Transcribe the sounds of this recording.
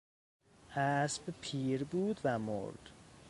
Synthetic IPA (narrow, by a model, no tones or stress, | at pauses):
hæsbpʰiːɾbuːd̪væmo̰ɾd̪̥